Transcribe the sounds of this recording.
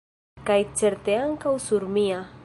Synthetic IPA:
kajt͡ʃeɾt̪eaŋkawsʊɾmia

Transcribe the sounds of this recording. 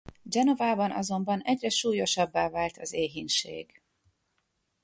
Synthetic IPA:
d͡ʒɛno̞vaːbɒnʔɒ̰zo̞mbɒnɛɟrɛʃuːjo̞ʃɒbːaːvaːlt̪ʰɒzeːɦinʃḛːɡ̥

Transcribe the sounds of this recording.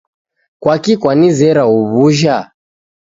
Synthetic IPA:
kwakikwanizɛɾauβuʒa

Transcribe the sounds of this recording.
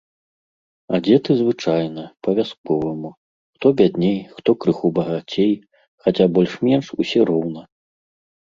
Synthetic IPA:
ad͡zʲɛt̪ɨzvɨt͡ʂajnɐpɐvʲaskɔvɨmu | xt̪ɔbʲad̪ʲnʲejxt̪ɔkɾɨxubɐɣat͡sʲej | xat͡sʲabɔlʲʂmʲɛnʂusʲɛɾɔwnɐ

